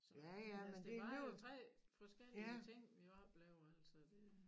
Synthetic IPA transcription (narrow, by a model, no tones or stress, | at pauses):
sjæjæmmend̥e̝met͡sʰʁɛ̰ːfɒsɡ̥eliæt͡sʰe̝ŋ̰ʋiɑb̥lɛʊɐæl̰sɐd̥e̝